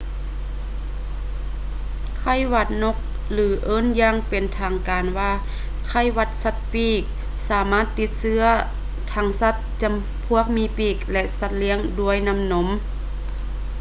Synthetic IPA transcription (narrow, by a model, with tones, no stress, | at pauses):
kʰa˧˥˩jwa˧˩t̪̚no˧k̚ | lɯː˨˦ʔɤː˧˥˨njaː˧˥˩ŋpe˨˩nt̪ʰaː˨˩ŋkaː˨nwaː˧ | kʰa˧˩˨jwa˧t̪̚sa˧t̪̚piː˧˩k̚ | saː˨˦maː˧˥˩t̪ːi˧˥t̪̚sɯ˧˥ɐ | t̪ʰa˧˩ŋsa˧t̪̚t͡ɕa˨˩m | pʰu˧˥˩ək̚miː˧˥piː˧˩k̚lɛ˧ʔsa˧t̪̚li˧˥əŋdu˧˩əjna˧˥mno˧˦m